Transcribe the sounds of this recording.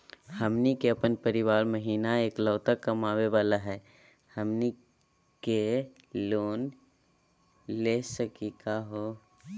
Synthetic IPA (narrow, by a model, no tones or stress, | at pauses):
hɐmnikeɐpənpəɾɪʋaːɾməɦiːnaeːkləʋt̪akːɐmaːʋeʋaːlaɦɛː | hɐmni | ke | loːn | leːsəkikaɦoː